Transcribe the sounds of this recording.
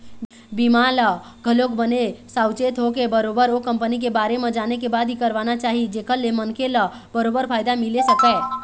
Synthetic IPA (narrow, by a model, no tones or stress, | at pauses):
bimalə | ɡʱəlokbənesaːwt͡ʃeːt̪ɦokebəɾoːbəɾokə̃mpənik̬ebaːɾemẽd͡ʒaːnekebaːd̪ʱɦikəɾʋaːnat͡ʃaːɦid͡ʒeːkʰəlːemənkʰelə | bəɾoːbəɾpʰaːjd̪amɪlesəkɛː